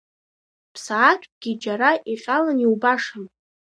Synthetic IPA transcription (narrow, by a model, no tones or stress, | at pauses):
pʰsaːt̚ʷʰʼɡʲid͡ʒaɾaʔiqʲʼalaniwbaʂɨn